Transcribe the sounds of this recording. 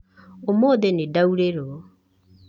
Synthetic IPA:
omoðenedauɾeɾɔ

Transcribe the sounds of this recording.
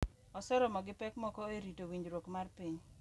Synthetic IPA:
ɔsɔɾɔmɔɡɪpɛkmɔkɔeɾitowiɲd͡ʒɾwokmarpiɲ

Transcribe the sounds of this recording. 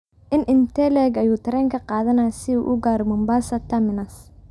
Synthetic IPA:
ʔɪnʔɪnt̪ʰɛlɛɡɐjuːt̪ʰɐɾɛːŋkʰɐqɑːðɐnajsɪṵːʔʊɡaːɾɔmɔmbaːsɐt̪ʰɐmɪnɐs

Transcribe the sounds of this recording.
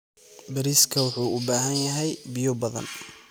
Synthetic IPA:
bɐɾiːskʰɐwʊħuːʔʊbaːɦɐnjɐɦɛjbɪjɔbɐðɐ̰n

